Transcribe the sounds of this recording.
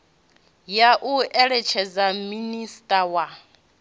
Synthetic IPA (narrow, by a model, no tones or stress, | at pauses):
jaʔuɛɺɛt͡ʃʰɛd͡zaministʼawa